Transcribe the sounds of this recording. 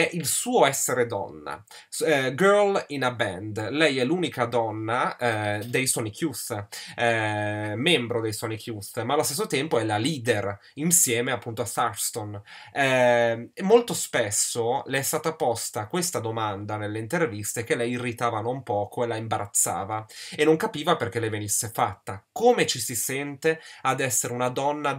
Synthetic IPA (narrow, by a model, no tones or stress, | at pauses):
ɛʔilsuːoɛsːeɾed̪ɔ̰nːa̰ | ɡøɾlinabɛnd̪lɛjɛlːuːnikad̪ɔnːad̪ejsɔnikʰjuθɛmɛmbɾod̪ejsɔnikʰjuθmaːlːost̪esːot̪ɛmpoɛlaliːd̪er | insjɛːmeapːunt̪oasarst̪on | ɛemːolt̪ospesːolɛɛst̪aːt̪apɔst̪akːwest̪ad̪omand̪anelːeint̪ervist̪ekelɛjirːit̪aːvanompɔːkoelaimbaɾʔat̪sːa̰ːvaenːoŋkapiːvaperk̟elejvenisːefat̪ːakoːmet͡ʃisisɛnt̪ead̪ɛsːeɾeunad̪ɔnːa